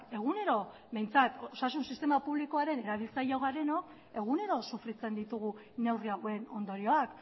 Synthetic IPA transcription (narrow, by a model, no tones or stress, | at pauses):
e̞ɣune̞ɾo̞ | me̞jnt͡sat̪oosasunsist̪e̞mapuβliko̞aɾe̞ne̞ɾaβ̞ilt͡sajawɣaɾe̞no̞k | e̞ɣ̞une̞ɾo̞sufɾit͡se̞nd̪it̪uɣ̞u | ne̞wriaɣwe̞no̞nd̪o̞ɾio̞ak